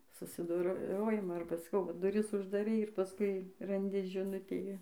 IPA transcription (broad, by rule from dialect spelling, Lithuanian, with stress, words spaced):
sʊsʲɪdoːˈroːjɪmoː ɐrbɐ sɐˈkɐʊ ʋɐ dʊˈrʲɪs ʊʒdɐˈrʲɛɪ ɪr pɐˈskʊɪ rɐnʲˈdʲɪ ʒʲɪˈnʊtʲeː